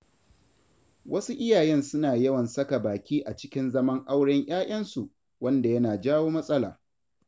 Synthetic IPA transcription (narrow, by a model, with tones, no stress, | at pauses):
wʔɐ˦su˦ʔɪ˦jaː˨jɛ˦nsʊ˦naː˨jɐ˦wɐ˨nsɐ˦ka˨baː˨kʲiː˦ʔa˨t͡ʃɪ̥˦kʲɪ˦nzɐ˦mɐ˦ŋʔa˦wɽɪ˦ɲjʔaː˦ʔʲʼɐ˦nsu˨ʔ | wɐ˦nda˨jɐ˦naː˨d͡ʒaː˦woː˦mɐ˦sʼɐ˦laː˨